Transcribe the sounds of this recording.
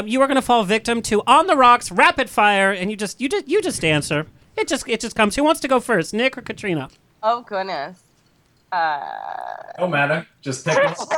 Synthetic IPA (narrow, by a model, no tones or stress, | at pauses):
jɨwə˞ɡʌñəfɔlˠvɪk̚tɨ̃mtʰɨʔə̃nðəɹɑksɹæpɨd̥faɪə˞ɨ̃njɨd͡ʒʌstjɨd͡ʒʌjɨd͡ʒʌstæ̃nsə˞ | ɨt̚d̥ʒ̥ʌsɨt̚ʒ̥ʌskʰʌ̃mz̥hiwɑ̃ntstʰɨɡoʊfɜ˞stⁿnɪkə˞kʰɨtʰɹ̥ĩnə | oʊɡʊdⁿnɨs | ʌ | noʊmæɾə̥˞d͡ʒ̥ʌstʰek